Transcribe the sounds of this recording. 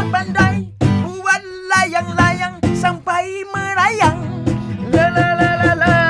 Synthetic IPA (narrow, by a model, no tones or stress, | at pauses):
bandajbuwan | lajaŋlajaŋsampajməɾajaŋlalllla